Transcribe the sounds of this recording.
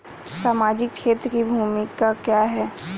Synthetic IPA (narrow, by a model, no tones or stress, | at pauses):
saːmaːd͡ʒɪkt͡ʃʰeːt̪ɾəkibʱuːmɪkakjaɦɛː